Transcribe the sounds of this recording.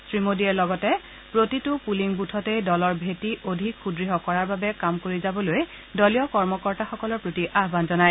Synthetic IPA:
sɹimodiɛlɔɡɔtɛ | pɹotitʊpuliŋbutʰɔtejdɔlɔɹbʱetiʔodʱikxʰudɹiɦɔkɔɹaɹbabɛkamkoɹizabɔloj | dɔlijɔkɔɹmɔkɔɹtaxɔkɔlɔɹpɹotiʔaɦbanzɔnaj

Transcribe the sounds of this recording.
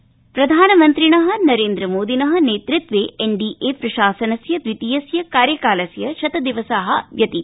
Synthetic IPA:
pɾɐd̪ʱaːnɐmɐnt̪ɾinɐɦɐ̆nɐɾeːnd̪ɾɐmoːd̪inɐɦɐ̆neːt̪ɾit̪ʋeːeɳɖiːʔeːpɾɐʃaːsɐnɐsjɐd̪ʋit̪ijɐsjɐkaːɾjɐkaːlɐsjɐʃɐt̪ɐd̪iʋɐsaɦɐʋjɐt̪i

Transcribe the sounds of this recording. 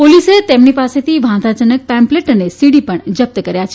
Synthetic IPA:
poliset̪emnipaset̪ʰiʋʱãd̪ad͡ʒənək̚pɛ̃mpleʈənesiɽipəɳd͡ʒəp̚t̪əkəɾjat͡ʃʰe̥

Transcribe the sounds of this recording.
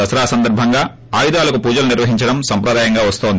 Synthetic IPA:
ɐsɐɾaːsɐnd̪ɐɾbʱɐŋɡaː | aːjud̪aːlɐkupuːd͡ʒɐluniɾʋɐɦiɲt͡ʃɐɽɐmsɐmpɾɐd̪aːjɐŋɡaːʋɐst̪oːnd̪

